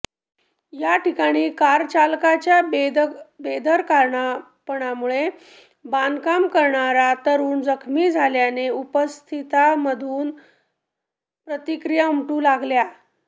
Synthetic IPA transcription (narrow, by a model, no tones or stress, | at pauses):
jaʈʰikaɽ̃iːkaɾt͡ɕalkat͡ɕja | bed̪ʱəɾkaɾɳa | pəɽ̃amuɭe | bankamkəɾɳaɾat̪əɾuːnd͡zəkʰmiːd͡zʱaljaneupəst̪ʰit̪aməd̪ʱuːn | pɾət̪ikɾijamʈuːlaɡlja